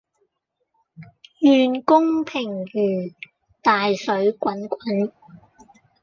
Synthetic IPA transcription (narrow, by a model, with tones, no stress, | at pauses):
jyː˨nkʊ˥ŋpʰɪ˨˩ŋjyː˨˩ | t̪aː˨jsɵ˨˥ɥkʷwɐ˨˥nkʷɐ˨˥n